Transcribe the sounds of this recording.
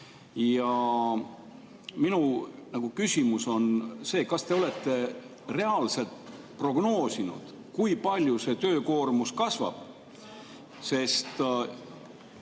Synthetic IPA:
jɑ | minunɑɡ̥ukysʲimuso̞nse̞ːkɑst̪e̞o̞le̞t̪ˑːe̞ | re̞ɑlse̞lt̪ | pro̞ɡ̥no̞ːsinṵd̪̥ | kujpɑlʲjuse̞t̪ø̞ːko̞ːrmuskɑsvɑ̰b̥ | se̞st̪

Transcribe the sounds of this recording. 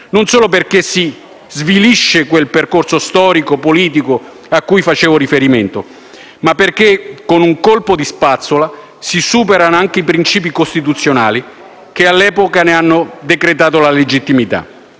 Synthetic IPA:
nonsoːlop̬erkesi | zviliʃːekwelperkorsost̪ɔːɾikopoliːt̪̬iko | akːujfat͡ʃɛːvoɾifeɾiment̪o | mapːerk̟ekːonuŋkolpod̪ispat̪sːola | sisuːpeɾanoaŋk̟eipɾint͡ʃiːp̬ikost̪it̪̬ut̪sːjona̰ːli | k̟ealːɛːpokaneanːod̪ekɾet̪aːt̪olaled͡ʒit̪ːimit̪a̰

